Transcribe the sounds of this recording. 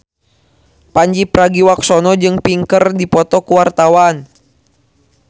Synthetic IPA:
paɲd͡ʒipɾaɡiwaksɔnɔd͡ʒɨŋpiŋkərdipɔt̪ɔkuwart̪awan

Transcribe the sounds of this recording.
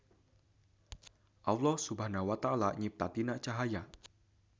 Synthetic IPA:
ʔawlɔhsubaɦnawat̪aalaɲip̚t̪at̪inaʔt͡ʃaɦaja

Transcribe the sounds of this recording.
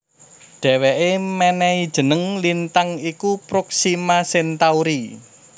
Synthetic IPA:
ɖ̥ɛ̤weʔemɛnɛid̥ʒ̥ə̤nəŋlint̪aŋikupɾoksimasent̪auɾi

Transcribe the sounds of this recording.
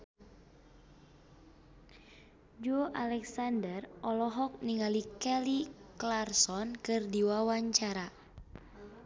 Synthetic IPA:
d͡ʒuoʔalɛksandərɔlɔɦɔk̚niŋalikɛliklarsɔnkɨrdiwawaɲt͡ʃaɾa

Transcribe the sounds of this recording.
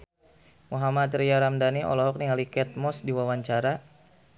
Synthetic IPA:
muɦamat̪ɾijaɾamdaniɔ̰lɔɦɔk̚niŋalikɛt̪̚mɔsdiwawaɲt͡ʃaɾa

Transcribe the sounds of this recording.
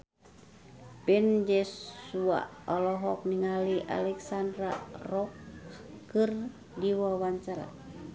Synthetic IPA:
pɛnd͡ʒɛsua̰ɔlɔɦɔk̚niŋaliʔa̰lɛksandɾarɔkː | ɨr | diwawaɲt͡ʃaɾa̰

